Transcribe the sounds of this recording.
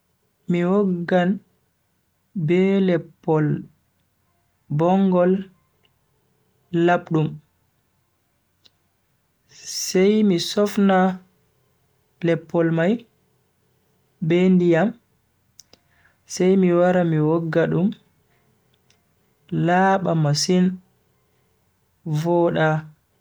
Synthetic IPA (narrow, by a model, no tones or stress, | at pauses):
miwɔɡːan | bɛlɛpːɔl | bɔŋɡɔl | aɓɗum | sɛjmisɔfna | lɛpːɔlmaj | bɛndijam | sɛjmiwaɾamiwɔɡːaɗum | laːɓamasin | vɔːɗa